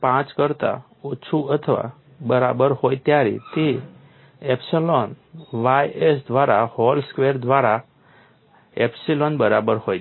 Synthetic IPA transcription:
pãt͡skəɾt̪a̰ | ut͡ʃʰuət̪ʰəʋa̰ | bəɾabəɾhojt̪jaɾḭt̪i | ɛpsilɔn | ʋajesd̪ʋaɾahɔlskʋeɾd̪ʋaɾa | epsilɔnbəɾabəɾhoj

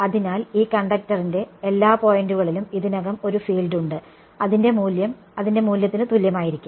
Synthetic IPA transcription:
ɐðinaːliːkɐɳɖɐk̚tɐrinde̞elːaːpo̞ːjenduɣɐɭilumiðinɐɣɐmo̞ɾufiːlɖuɳɖɨ | ɐðinde̞muːljɐm | ɐðinde̞muːljɐt̪ːinɨt̪uljɐmaːjiɾikʲːum

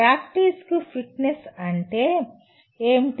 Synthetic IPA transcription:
ɾaːkʈiːskupʰiʈnesɐɳʈeː | eːmʈ

